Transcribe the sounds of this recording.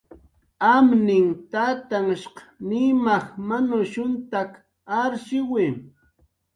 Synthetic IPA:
amnɪŋt̪aːt̪aŋʃqnɪmɑχmanʊʃʊnt̪ak | aɾʃɪwɪ

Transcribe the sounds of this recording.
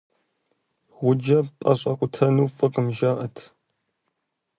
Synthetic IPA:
ʁʷʊd͡ʒɐpʼɐɕʼɐqʷʼʊtʰɐnuːfʼɨqʼəmʒaːʔɐtʰ

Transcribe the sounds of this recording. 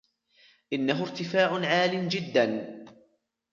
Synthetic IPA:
ʔɪnːaɦʊɾt̪ɪfaːʕʊnʕaːlɪmd͡ʒɪd̪ːan

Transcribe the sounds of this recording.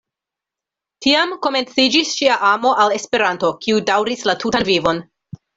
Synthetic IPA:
tiamko̞me̞nt͡sid͡ʒisʃiaʔamo̞ʔale̞spe̞ɾanto̞kʰiudawɾislatutanvivo̞n

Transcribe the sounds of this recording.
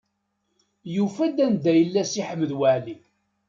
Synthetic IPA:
jufæd̪ænd̪æjəlːæsiħəmːəðwəʕli

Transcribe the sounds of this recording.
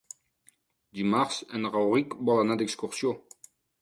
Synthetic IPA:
d̪ymaʁsɛ̃nʁawʁikbɔlanad̪ɛkskɔʁsjõ

